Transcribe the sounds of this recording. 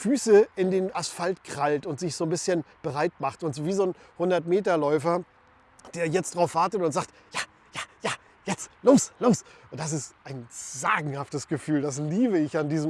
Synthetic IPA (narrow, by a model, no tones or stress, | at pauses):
fyːsəɪndeːnasfaltkʁ̥altʊntz̥ɪçz̥oːnbɪsçənb̥əʁaɪtmaχtʊntzoːviːzoːnhʊndɐtmeːtɐlɔʏfɐ | d̥eːɐjɛt͡std̥ʁaʊfv̥aɐtətʊntzaːkt | jaː | jaːjaː | jɛt͡stloːsloːsʊnt̚d̥as̬ɪstʔaɪnz̥a̰ːɡŋ̩haftəsɡ̥əfyːldas̬liːbəɪçandiːzm